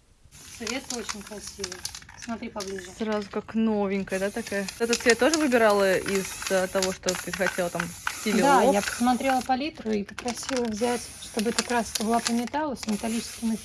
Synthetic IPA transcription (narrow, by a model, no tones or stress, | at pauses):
sɐvʲe̞t̪əot͡ɕɪnʲkɾɐsʲivəsmɐt̪ɾʲipɐblʲiʐɨsɾazʊkaknovʲɪŋʲkəjəd̪at̪ɐkajəɛt̪ət̪svʲet̪ːo̞ʐɨvɨbʲɪɾalˠəɪz̥ət̪ɐvo̞ʂt̪ot̪ɨzxɐtʲelˠət̪amʲtʲiddʲd̪aojapə̥smɐt̪ɾʲe̞lˠəpɐlʲit̪ɾʊipə̥pɾɐsʲilˠəvzʲætʲʂt̪obəɛt̪əkɾast̪əbɨlˠapəmʲɪt̪alˠəsʲmʲɪt̪ɐlʲit͡ɕɪ̥skʲɪnə